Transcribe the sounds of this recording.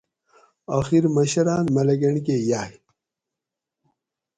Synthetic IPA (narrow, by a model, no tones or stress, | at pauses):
axiɾmɐɕɐɾaːnmɐlɐɡɐɳkejaːj